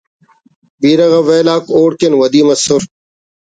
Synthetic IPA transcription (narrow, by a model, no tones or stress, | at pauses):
biːɾɐɣɐʋeːlaːkoːɽkenwɐd̪iːmɐsʊɾ